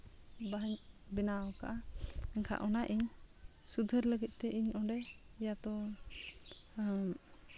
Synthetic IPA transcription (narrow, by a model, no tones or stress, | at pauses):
baɲbɛnaɔkaʔaɛŋkʰa̰ʔɔnaʔiɲ | sud̪ʱəɾləɡit̪̚ˀt̪ɛʔiɲɔɖɛjat̪ɔ